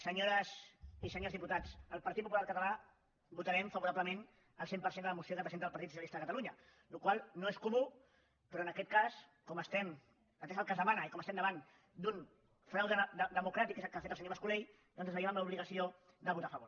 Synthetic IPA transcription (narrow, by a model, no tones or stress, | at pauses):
səɲoɾəsisəɲozðiput̪at͡səlˠpɐɾt̪it̪̚pupulaɾkət̪ala | but̪aɾɛmfɐβuɾaβləmen | əlˠsempəɾsend̪ələmusiokəpɾzenðlˠpaɾt̪it̪su̥jalist̪aðəkət̪aluɲə | lukwalˠnoeskumu | pəɾɔənəkɛt̪̚kaskɔməst̪ɛm | at̪ezəlˠkəzðəmanəikɔməst̪ɛmnd̪əβan | d̪un | fɾawðəd̪əd̪əmukɾat̪ikezəlˠkafet̪əlsəɲoβəskulej | d̪ɔnzəzβəɾjemamləuβliɣ̞ɐsio | d̪əβ̞ut̪afəβoɾ